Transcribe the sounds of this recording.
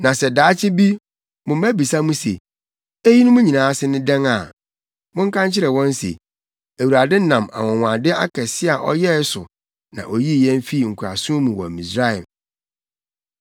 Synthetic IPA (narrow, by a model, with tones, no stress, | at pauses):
nã˨sɛ˨daː˨˦t͡ɕʰɪ˦bi˦ | mʊ̃˨m˦æ˦bi˨sa˦mũ˦sḛ˨ | e˦ji˦nʊ̃˦mũ˦ɲĩ˨nãː˨˦sɪ˦nɪ̃˦dɛ̃˦ŋa˨ | mʊ̃˦ŋ˦kʰã˦ɲt͡ɕʰɪ˦ɾɛ˨wɔ̃˦n˦sḛ˨ | æ˨wu˨ɾa˨dɪ˦nã˨ma̰˨wɔ̃˨wã˨dɪ˦a˦kʰɛ˨sɪ˦a˨ʔɔ̰˦jɛ˦sʊ̰˨ | nã̰˨ʔo˨ji˦˨jɛ̃˦n˦fi˦˨ŋ̩˨kʰu˨ɾa̰˨sũ˦mũ˨wɔ̰˨mĩ˨sɾa˦ɪ˨m